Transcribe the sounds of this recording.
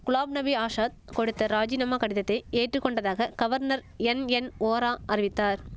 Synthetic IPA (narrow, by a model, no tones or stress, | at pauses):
kʊɭaːbnɐbiaːʂaːt̪̚kɔɽɯt̪ːɐɾaːd͡ʒɪnɐmaːkɐɽɪðɐt̪ːɐɪeːʈrɯkːɔɳɖɐðaːɣɐɡ̥ɐʋɐɾnɐɾ | ɛnɛnoːɾaːɐɾɪʋɪt̪ːaːɾ